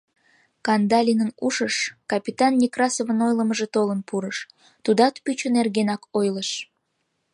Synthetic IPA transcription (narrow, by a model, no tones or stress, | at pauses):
kɑnd̪ɑlʲinənuʃəʃkɑpʲit̪ɑnːʲikrɑsovənojləməʒet̪olənpuɾəʃ | t̪ud̪ɑt̪pyt͡ɕənerɣenɑkojləʃ